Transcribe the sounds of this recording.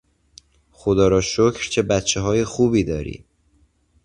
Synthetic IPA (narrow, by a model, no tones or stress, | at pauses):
xod̪ɒːɾɒːʃocʰɾt͡ʃʰe̞bæt̪t͡ʃʰːeɦɒːjexuːbiːd̪ɒːɾḭː